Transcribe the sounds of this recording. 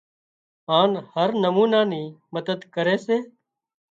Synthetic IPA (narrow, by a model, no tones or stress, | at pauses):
ɦaːnhəɾnəmuːnaːniːməd̪əd̪kəɾeːseː